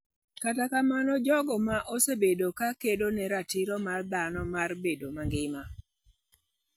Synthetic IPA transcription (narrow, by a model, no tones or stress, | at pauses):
katakamanɔd͡ʒɔɡɔmaʔosebedokakedonɛɾatiɾɔmard̪anɔmarbedomaŋɡɪma